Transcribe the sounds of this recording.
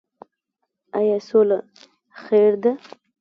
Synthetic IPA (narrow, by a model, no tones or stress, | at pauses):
ajɑsola | xeɾd̪a